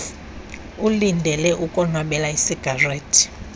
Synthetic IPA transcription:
ulindʱɛlɛʔukʼɔnwaɓɛlaisiɡ̥ʱareːtʰʼi̥

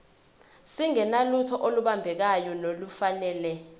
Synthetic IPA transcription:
siŋɛnalutʰɔʔoluɓambʱɛk̬ajɔnolufanɛːlɛ

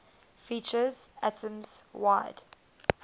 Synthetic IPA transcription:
fit͡ʃəzætʰə̃mz̥waɪd̥

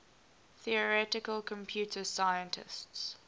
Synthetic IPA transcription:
θiəɹɛtɪkəlkʰə̃mpʰjuːtʰəsaɪə̃ntʰɪ̰sts

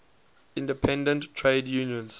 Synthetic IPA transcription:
ɪ̃ndəpʰɛ̃ndə̃nttʰːɹeɪdjuːnjə̃ns

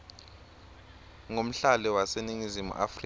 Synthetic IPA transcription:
ŋom̩ɬalɛwaseniŋizimṵʔa̰fri

